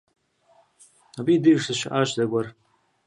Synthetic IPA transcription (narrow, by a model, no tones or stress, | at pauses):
abiːdɨʂɨʃaʔaʒdaɡʷar